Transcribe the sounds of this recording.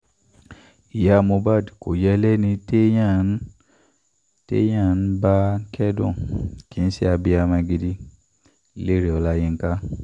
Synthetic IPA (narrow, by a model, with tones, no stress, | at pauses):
i˨ja˦a˧mõ˧ba˦˨di˨ko̰˨jɛ˦lɛ˦nĩ˧te˦jã˦˨˦ | tḛ˦j̃ã˦˨n̩˦ba˦kʰɛ˦dɔ̰̃˦˨ki˨n̩˦si˦a˧bi˧a˧mã˧ɡi˧di˧˨ | le˦ɾe˨ɔ˧la˦jẽ˧ŋ̩˦ka˦